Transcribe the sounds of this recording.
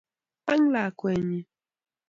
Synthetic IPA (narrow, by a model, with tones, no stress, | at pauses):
a˦ŋla˨kwɛ˨ɲi˨